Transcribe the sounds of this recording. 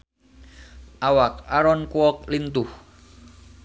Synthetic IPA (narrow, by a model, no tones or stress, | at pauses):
ʔawakaɾɔnkwɔk̚lint̪uh